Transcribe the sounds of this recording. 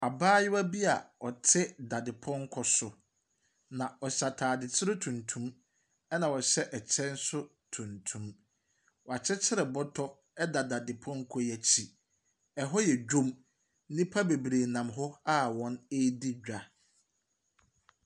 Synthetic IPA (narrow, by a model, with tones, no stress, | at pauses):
a˨baː˦jɪ˦wa˦bi˦a˨ɔ˨tʰɪ˦da˨dɪ˨pʰɔ̃˦ŋ˦kʰɔ˨sʊ˨ | nã˨ɔ˨ɕa˨tʰaː˨dɪ˨t͡ɕʰɪ˦ɾɪ˦tʰũ˨ntʰũ˦m | ɛ˦nã˨ɔ˨ɕɛ˦ʔɛ˨t͡ɕʰɛ̃˦n̩˦sʊ˦ | tʰũ˨ntʰũ˨m | wɔ˨a˨t͡ɕʰɪ˦t͡ɕʰɪ˦ɾɛ˨bɔ˦tʰɔ˦ | ɛ˦da˨da˨dɪ˨pʰɔ̃˦ŋ˦kʰɔ˦jɛ˨t͡ɕʰi˨ | ɛ˨ɦɔ˦jɛ˨d͡ʑᶣũ˦m | nɪ̃˦pʰa˦be˨bɾeː˨nã˨mɦɔ˦a˦wɔ̃˨˦ne˦di˦d͡ʑᶣa˨